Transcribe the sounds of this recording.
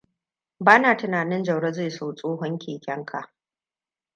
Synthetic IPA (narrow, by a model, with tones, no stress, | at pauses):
baː˦naː˨tɪ˨naː˨nɪ˦nd͡ʒɐ˨wɽɐ˦za˦˨soː˦˨sʼoː˦ɦɔ˦ŋkʲeː˨kʲɐ˦ŋkʰa˨ʔ